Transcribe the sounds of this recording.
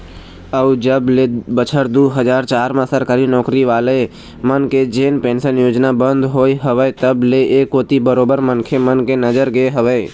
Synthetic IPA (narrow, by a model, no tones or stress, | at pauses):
əʊd͡ʒəblebət͡ʃʰəɾd̪uːɦəd͡ʒaːɾt͡ʃaːɾmãsəɾkəɾinɔːkɾiʋaːle | mənked͡ʒeːnpẽːnsənjoːd͡ʒnabə̃nd̪ɦoːiɦəʋəet̪əbleʔeːkːoːt̪ibəɾoːbəɾmənkʰemənkenəd͡ʒəɾɡeɦəʋəː